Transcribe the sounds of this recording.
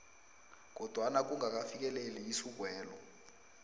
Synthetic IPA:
k̬ɔd̥ʱwanak̬uŋɡak̬afik̬ʼɛleliisuk̬wɛːlɔ

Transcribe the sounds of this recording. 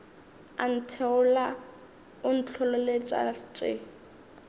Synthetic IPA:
a̰n̩tʰɛʊla | ʊn̩t͡ɬʰɔlɔlet͡ʃʼa̰t͡ʃʼɪ̰

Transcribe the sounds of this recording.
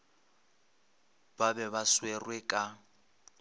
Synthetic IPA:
babɛβaswerwɛkʼa

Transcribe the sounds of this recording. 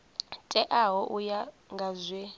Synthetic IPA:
tʼɛʔaɦɔʔuja | ŋɡʱazwe

